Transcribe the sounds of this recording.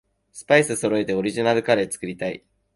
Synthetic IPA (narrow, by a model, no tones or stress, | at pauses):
sɨ̥paisɨso̞ɾo̞e̞t̪e̞o̞ɾʲiʑinaɾɯ̟kaɾe̞t͡sɨ̥kɯ̟ɾʲit̪aḭ